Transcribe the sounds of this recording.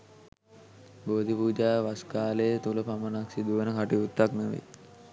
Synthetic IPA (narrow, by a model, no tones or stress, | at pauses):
boːd̪ʱipuːd͡ʒaːʋaskaːlejət̪uləpamənaksid̪uʋənəkaʈiut̪ːaknəʋḛ